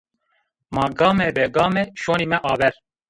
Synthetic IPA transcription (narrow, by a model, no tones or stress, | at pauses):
mɑːɡɑːmɛbɛɡɑːmɛʃoːniːmɛʔɑːvɛɾ